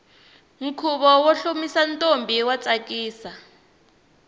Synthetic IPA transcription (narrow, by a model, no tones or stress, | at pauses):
ŋ̩kʰuɓɔwoɬomisantʼombʱiwat͡sʼak̬ʼiːsa